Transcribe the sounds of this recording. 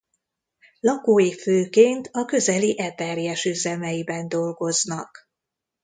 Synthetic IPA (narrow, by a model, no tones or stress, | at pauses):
lɒkoːjiføːkeːnt̪ʰɒkø̞zɛliʔɛt̪ɛrjɛʃyzɛmɛjibɛnd̪o̞lɡo̞znɒk